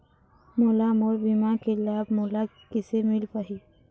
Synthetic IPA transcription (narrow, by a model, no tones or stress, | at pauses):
molamoɾbimakelaːbmoːla | kɪsemɪlpəɦi